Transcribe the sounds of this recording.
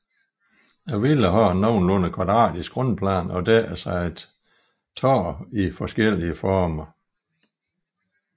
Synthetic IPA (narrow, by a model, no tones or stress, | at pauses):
jɑɪʋiləɦɒnːɒʊnlɔnəkʰʋɑ̈d̥ʁɑ̰̈ːd̥isɡ̥ʁɔnpʰlæ̰ːnɒ̽d̥ɛsɑɪed̥ | t͡sʰɒ̰ːifɒ̽sɡ̥el̰iəfɒːmɐ